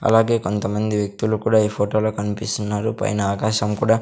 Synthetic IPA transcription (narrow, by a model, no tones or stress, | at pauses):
ɐ̰laːɡe̞ːko̞nt̪ɐmɐnd̪iʋjɐk̚t̪ulukuːɽaːiːpʰoːʈo̞ːlo̞ːkɐnipist̪unːaːɾupɐ̰jnɐaːkaːʃɐmkuːɽaː